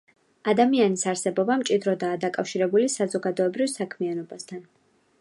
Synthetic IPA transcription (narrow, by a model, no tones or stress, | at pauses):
ad̪amianisaɾsɛbɔbamt͡ʃʼid̪ɾɔd̪aːd̪akʼafʃiɾɛbulisazɔɡad̪ɔɛbɾivsakʰmianɔbast̪ʰan